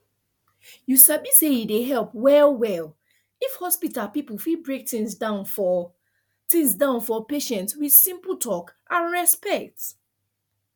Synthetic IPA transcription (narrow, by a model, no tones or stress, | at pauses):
jusabisejideɦɛlˠpwɛlwɛl | ifhɔspitalˠpipəfibɹek̚tĩŋsdãʊ̃nfɔ | tĩŋsdãʊ̃nfɔpeʃɛ̃ntswið̥sĩmpəlˠtʰɔkʔãnɹɛspɛk̚t